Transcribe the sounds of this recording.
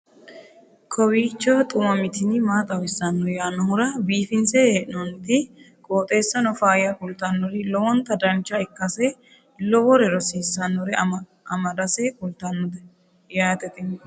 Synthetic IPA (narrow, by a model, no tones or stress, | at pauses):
kʰɔwiːt͡ʃːɔt̪ʼʊmɐmɪt̪ɪnɪmaːt̪ʼɐwɪsːɐnːɔɾjaːnːɔhʊɾɐbiːfɪnsɛeʔɪnɔnɪt̪ɪ | kʼoːt̪ʼe̞ːsːɐnɔfaːjɐkʊlt̪ɐnːɔɾɪlɔwɔnt̪ɐd̪ɐnt͡ʃːɐɛkːɐsɛ | lɔwɔɾɛɾɔsiːsːɐnːɔɾɛ | ɐmɐd̪ɐsekʼʊlt̪ɐnːɔd̪ɛ | jaːt̪ɛt̪ʼɪn